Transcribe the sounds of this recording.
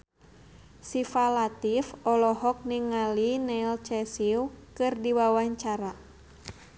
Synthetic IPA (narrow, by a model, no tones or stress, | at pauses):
sifalat̪ifɔlɔɦɔk̚niŋalinɛilt͡ʃɛsiwkɨrdiwawaɲt͡ʃaɾa